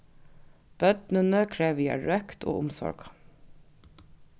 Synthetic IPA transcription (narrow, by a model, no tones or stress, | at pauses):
b̥œd̪nənəkʰɹeːʋiːæ̰ːɹœkt̪ʰo̰ːʔʊmsɔ̰ɹɡ̥